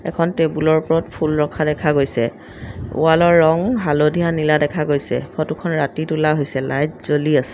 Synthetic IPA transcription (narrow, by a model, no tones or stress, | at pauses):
ɛkʰɔntebulɔɹpɔɹɔtpʰulɹɔkʰadɛkʰaɡojsɛ | ṵalɔɹːɔŋɦalodʱiɦaniladɛkʰaɡojsɛ̰pʰɔtukʰɔnɹatitulaɦojsɛlajtzoliasɛ̥